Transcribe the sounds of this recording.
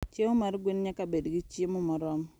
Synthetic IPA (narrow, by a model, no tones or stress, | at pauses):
t͡ʃemʊmaɾɡʷwɪnɲakabedɡit͡ʃimʊmaɾɔm